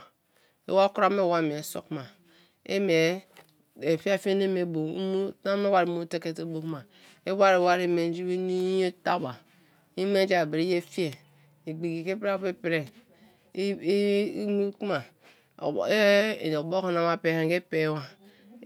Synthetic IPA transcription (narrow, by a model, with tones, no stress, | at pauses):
ḛ˦wa˦ku˦ɾa˦me˦˨wa˦˨m˨e˨˦so̰˦˨kma˨ | ḛ˦me˨ | e˨fi˦a˦fi˦e˦ne˦me˨bo˨˦mu˦a˦me˦wa˨ɾi˨˦mu˦te˦ke˦te˦bo˦kma˨ | e˦wa˦ɾe˨wa˦ɾi˨˦˨me˨n˦d͡ʒi˦we˦ni˦o˦ta˦ba˨ | i˦m˦e˦d͡ʒa˦˨be˨ɾi˦je˦fi˦e˨ | e˨ɡ͡bi˨ɡi˨ke˦pɾa˦pe˦pi˦ɾe˦˨˦ | mu˦kma˨˦˨ | o˨bo˦ko˦na˨˦ma˨pe˨he˨ŋɡe˦pe˨˦wa˨